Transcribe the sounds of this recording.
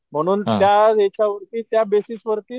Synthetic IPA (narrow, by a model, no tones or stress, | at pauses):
m̤əɽ̃uːnt̪jaet͡ɕʰaʋəɾt̪iːt̪jabesisʋəɾt̪iː